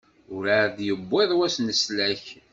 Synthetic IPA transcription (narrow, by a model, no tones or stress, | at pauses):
ʊɾaðjəbːeðˤwæsnəslæç